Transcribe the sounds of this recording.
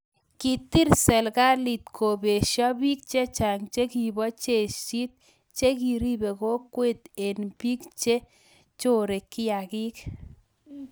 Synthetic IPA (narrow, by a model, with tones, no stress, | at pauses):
ki˨t̪i˦ɾsɛ˨lka˦li˨t̪kʰo˨be˨ʃjɔ˦bi˦k̚t͡ʃe˦t͡ʃa˨ŋt͡ʃe˦ki˨bɔ˦t͡ʃe˨ʃi˦t̪̚ | t͡ʃe˦ki˨ɾi˦be˨ko˦kwe˦t̪̚e˨nbi˦kt͡ʃe˦ | t͡ʃo˦ɾe˨kːɪ˦ja˨ki˦k